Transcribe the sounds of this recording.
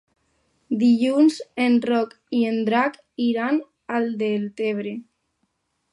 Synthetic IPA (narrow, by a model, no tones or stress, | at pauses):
d̪iʎunzenrɔk | iend̪ɾak | iɾan | ald̪elt̪eβ̞ɾe